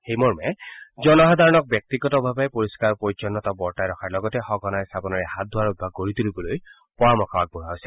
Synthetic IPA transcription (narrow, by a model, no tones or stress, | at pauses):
hejmɔɹmɛd͡ʒɔnɔɦɔd̪ʱaɹɔnɔk̚bjek̚t̪iɡɔtɔbʱabɛpoɹiskaɹpɔit͡ʃɔnːɔt̪ɔbɔɹtajɾɔkʰaɹlɔɡɔtɛxɔɡɔnajst̪ʰapɔnɔɹɛhat̪̚d̪ʱwaud̪̚bʱaɡ̚koɹit̪ulibɔloj | pɔɹɔmɔkʰɔbak̚bɔɹajsi